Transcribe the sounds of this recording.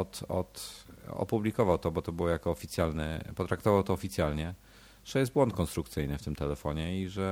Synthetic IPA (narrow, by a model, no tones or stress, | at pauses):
ɔt̪ɔ̰t̪ɔ̰publʲikɔvawt̪ɔbɔt̪ɔbɘwjakɔːfʲit̪sjalnɛ̰pɔt̪ɾak̚t̪ɔvawt̪ɔːfʲit̪sʲjalɲɛ | ʐ̥ɛjɛst̪̚bwɔnt̪̚kɔnst̪ɾukt̪sɘjnɘft̪ɘmt̪ɛlɛfɔɲɛiʐɛ